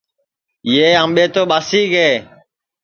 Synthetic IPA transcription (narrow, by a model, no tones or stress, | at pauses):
jeːãmɓeːt̪oːɓaːsiːɡeː